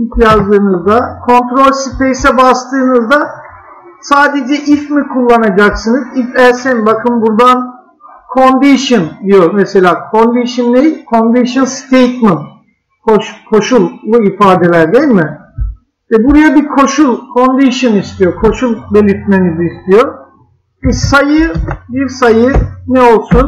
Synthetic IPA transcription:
it̪ʰjazd̪ɯːnɯzd̪akʰo̞nt̪ɾo̞lʲsipejsɛbast̪ʰɯːnɯzd̪a | saːd̪e̞d͡ʒɛʔifmikʰulˠːanad͡ʒaksɯnɯzifæɾsɛnbakʰɯnbuɾd̪an | kʰo̞nd̪iʃɯnd̪ijo̞mese̞lʲaːkʰo̞nd̪iʃinːejilʲkʰo̞nd̪iʃɯnst̪ʰejt̪mɯnt̪ | kʰoʃkʰo̞ʃulˠːuifaːd̪e̞lʲæɾd̪ejilʲmɪ | vɛbuɾajabiɾkʰo̞ʃulˠkʰo̞nd̪iʃɯnist̪ʰijo̞kʰo̞ʃulˠbe̞lʲiɾt̪meniziːst̪ʰijo̞ɾ | bisajɯbiɾsajɯnɛo̞lˠsun

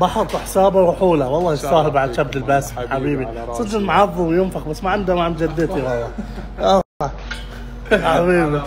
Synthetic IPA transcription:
bɑħɑt̪ˤːħsaːbaɾʊħuːlawɑlˤːɑːjsaːhɪlbaʕd̪ʃabd̪ɪlbasħabiːbisˤɨd̪ɪlmaʕɑfˤːuwjɪnfaqbasːmaʕɪnd̪amaʕmd͡ʒad̪ːɪt̪iwɑɑ | ʔa | ħabiːbi

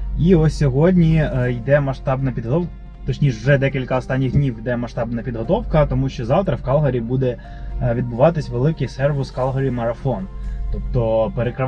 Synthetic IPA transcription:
iɔsʲɔɦɔdʲnʲijd̪ɛmɐʃt̪ɑbnɐpʲid̪ɦɔt̪ɔ | t̪ɔt͡ʃnʲiʃwʒɛd̪ɛkʲilʲkɐɔst̪ɑnʲːiɣd̪ʲnʲiwjd̪ɛmɐʃt̪ɑbnɐpʲid̪ɦɔt̪ɔwkɐt̪ɔmuʃt͡ʃɔzɑwt̪ɾɐwkɑlˠɦɐɾʲibud̪ɛ | ʋʲid̪bʊʋɑt̪ɪsʲʋelˠɪkɪsɛrʋʊskɑlˠɦɔɾʲimɐɾɐfɔnt̪ɔpt̪ɔpeɾekɾɪ

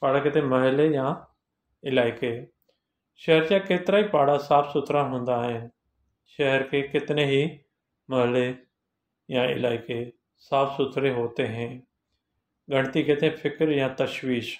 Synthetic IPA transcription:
paːɽaket̪ʰẽmɐɦɪlejã | ɪlaːɪke | ʃɛɦəɾt͡ɕakeːt̪ɪɾaipaːɽasaːfsʊt̪ʰɾaɦũːn̆d̪aːɦɪnɪ̆ | ʃɐɦəɾkʰekɪt̪ɪnẽɦi | mɐɦɪle | jãɪ̰laːɪke | saːfʰsʊt̪ʰɾeɦoːt̪eɦẽː | ɡʱɐɽ̃t̪ikʰet̪ʰẽfʰɪkɾjãt̪ɐʃʋiːʃ

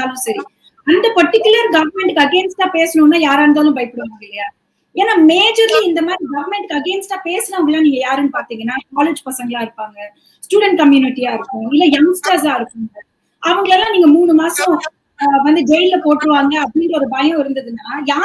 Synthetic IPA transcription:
aːlʊ̃sɐɾi | ɐnd̪ɐpɔʈːɪkːʊlɐɾɡɐʋɐɾmɛɳʈɯkːɐɡeːnsʈãːpeːsɐnɯŋnːaːjaːɾaːnd̪aːlʊ̃bɐɪpːɪɽɯʋaːŋɡɐɪlːɐjaː | eːnːaːmeːd͡ʒɐɾliɪnd̪ɐmaːd̪ɾiɡɐʋɐɾmɛɳʈɯkːɐɡeːnsʈːãːpeːsɐnɐʋɐŋɡɭlːaːniːŋɡɐjaːɾɛnːɯpaːɾt̪iːŋɡɐnːaːkaːled͡ʒpɐsɐŋɡɐɭaːɪɾɯpːaːŋɡɐ | sʈjuːɽɛɳʈ̚kɐmjuːnɪʈːijaːɪɾɯkːʊ̃ɪlːɐjɐŋsʈaːs̬aːɪɾɯkːɯŋɡɐ | ɐʋɐŋɡɐɭɛlːãːniːŋɡɐmuːɳɯmaːsɔ̃ | ʋɐnd̪ɯɡeːɪllɐpoːʈːɾɯʋaːŋɡɐɐpɽiɳɖɐɔɾɯbɐːjʊ̃ɪɾɯnd̪ɐðɯnːaːjaː

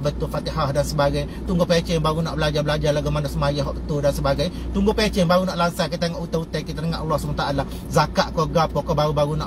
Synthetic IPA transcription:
bət̪ʊfat̪iɦahdansəbaɡaj | t̪uŋɡʊpet͡ʃɛŋbaɾunɔʔbəlad͡ʒabəlad͡ʒalaɡamanasəmajaɦɔʔbət̪udansəbaɡaj | t̪uŋɡʊpet͡ʃɛŋbaɣunaʔlansakit̪aŋaʔut̪aut̪ajkit̪anəŋaʔɑlːɔhsəmat̪aʔala | zakaʔkoɡap̚kɔkɔbaɾubaɾunɔʔ

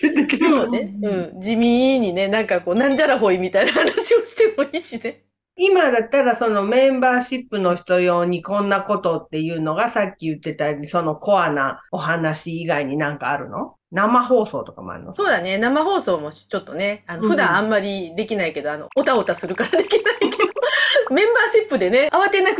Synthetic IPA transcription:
et̪ːekɯɾoeɯ̟̃ːd͡ʑimʲĩɲ̟ːine̞nãŋkako̞ːnãɲ̟d͡ʑaɾaɦo̞imʲit̪ainahanaɕio̞ɕi̥t̪e̞mo̞iːɕine̞ | imad̪at̪ːaɾaso̞no̞mẽ̞mbaːɕipːɯ̟no̞çi̥t̪o̞jo̞ːɲ̟ikõ̞nːako̞t̪o̞t̪ːe̞jɯ̟ːno̞ɡasakʲːijɯ̟t̪ːe̞t̪aiso̞no̞ko̞anao̞ɦanaɕiːɡaiɲ̟inãŋkaːɾɯ̟̰no̞̰ | namaɦo̞ːso̞̰ːt̪o̞kamo̰a̰ɾḭno̰soːd̪ane̞namaɦo̞ːso̞ːmo̞ɕi̥t͡ɕo̞t̪ːo̞ne̞anoɸɯ̟d̪ããmːaɾʲid̪e̞kʲinaike̞d̪oano̞̰ʔot̪aot̪asɨɾɯ̟kaɾad̪e̞kʲinaiked̪omẽ̞mbaːɕipːɯ̟d̪e̞ne̞aβat̪ːenakɯ

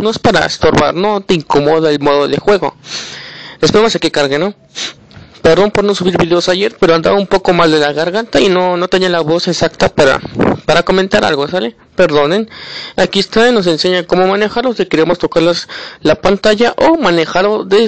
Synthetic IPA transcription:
no̞espaɾa̰ḛst̪o̞ɾβa̰ɾno̞t̪e̞iŋkomo̞ðaelmo̞ðoðḛxwe̞ɣo̰ | espeemosakekaɾɣeno̞ | peɾðompoɾnosuβiɾβiðeosaʝe̞ɾpeɾoand̪a̰umpo̞ko̞mald̪e̞laɣaɾɣant̪ainonot̪eɲanlaβosesakt̪apaɾa̰paɾako̞ment̪aɾa̰lɣosale | pe̞ɾðo̞nenakiest̪ano̞s̬e̞nseɲako̞mo̞mane̞xaɾlosikeɾeamo̞st̪o̞kaɾlaslapant̪aʝaʔomane̞xaɾloðe

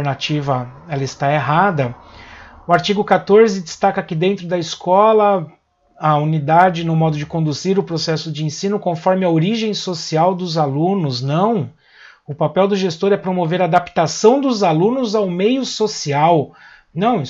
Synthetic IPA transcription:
ɾnat͡ʃivɐɛlɐɪst̪aeɦad̪ɐ | ʊaɾt͡ʃiɡʊkat̪oɾzɪd͡ʒɪst̪akɐkɪd̪ẽnt̪ɾʊd̪ɐiskɔlɐ | ɐunid̪ad͡ʒɪnʊmɔd̪ʊd͡ʒɪkõnd̪uziɾʊpɾosɛsʊd͡ʒɪẽsĩnʊkõfɔɾmɪɐoɾiʒẽj̃sosiawd̪ʊzalũnʊznɐ̃w̃ | ʊpapɛwd̪ʊʒest̪oɾɛpɾomoveɾaːd̪apt̪asɐ̃w̃d̪ʊzalũnʊzawmejʊsosiaw | nɐ̃w̃

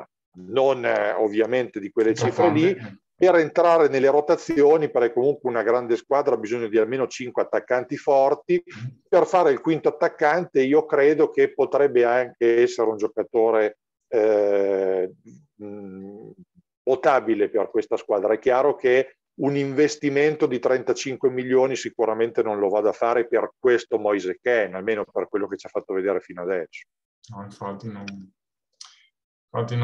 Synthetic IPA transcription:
nono̰vːjament̪ed̪ikwelːet͡ʃiːfɾeli | peɾent̪ɾaːɾenelːeɾot̪at̪sːjjoːniperɛkːomuŋkweunaɡɾand̪eskwaːd̪ɾaabizoɲːod̪ialmeːnot͡ʃiŋkweat̪ːakːant̪ifɔrt̪iperfaːɾeilkwint̪oat̪ːakːant̪eiːokɾeːd̪okepot̪ɾɛbːeaŋkeɛsːeɾeund͡ʒokat̪oːɾe | pot̪aːbileperkwest̪askwaːd̪ɾaɛkːjaːɾoke | uniɱvest̪iment̪od̪it̪ɾɛnt̪at͡ʃiŋkwemilːjoːnisikuɾament̪enonlovad̪afaːɾeperk̚west̪omɔjzekɛnalmeːnoperkwelːoket͡ʃafːat̪ːoved̪eːɾefinoad̪ɛsːo̥ | nɔiɱfat̪ːinon | iɱfat̪ːin

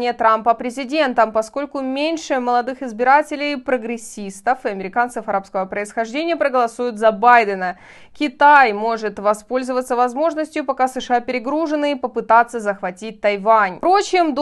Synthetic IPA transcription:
nʲɪjət̪ɾampəpɾʲɪzʲɪdʲe̞nt̪əmpɐsko̞lʲkʊmʲenʲʂɨməlˠɐd̪ɨxɨɪzbʲɪɾatʲɪlʲɪjpɾəɡɾʲɪsʲist̪əfɨɐmʲɪɾʲɪkant̪səfɐɾapskəvəpɾəɪsxɐʐdʲenʲɪjəpɾəɡəlˠɐsujʊt̪zɐbajd̪ənə | kʲɪt̪ajmo̞ʐɨt̪vɐspo̞lʲzəvət̪səvɐzmo̞ʐnəsʲtʲjʊpɐkasɨʂɨapʲɪɾʲɪɡɾuʐɨnːɨpəpɨt̪at̪sːəzəxvɐtʲit̚ʲt̪ɐjvanʲpɾot͡ɕɪmd̪

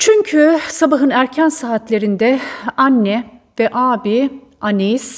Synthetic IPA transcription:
t͡ʃʰyɲcʰysabaɦɯnæɾcʰænsaːt̪lʲe̞ɾind̪ɛanːɛ | vɛʔaːbi | anejis

